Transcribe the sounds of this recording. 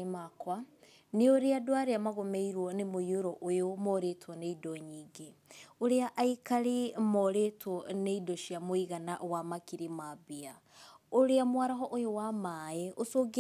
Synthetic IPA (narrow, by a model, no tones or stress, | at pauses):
makwa | neoɾeadwaɾeamaɣomeiɾwɔnemojoɾɔʔojomɔɾetʰwɔneidɔɲiːɡeoɾeaʔaikaɾemɔɾetwɔneidoʃiamoiɣana̰ʔwamakiɾimaβia | oɾeamwaɾaɦɔʔojowamaɛʔosoɡ